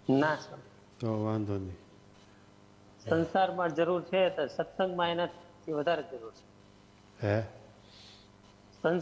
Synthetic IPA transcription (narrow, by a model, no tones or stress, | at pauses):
nasə | t̪oʋãnd̪ʱoni | sənsaɾmãd͡ʒəɾuɾt͡ʃʰet̪oʃət̪sə̃ŋɡmãienat̪t̪ʰiʋəd̪ʱaɾed͡ʒəɾuɾt͡ʃʰe̥ | ɦe | sən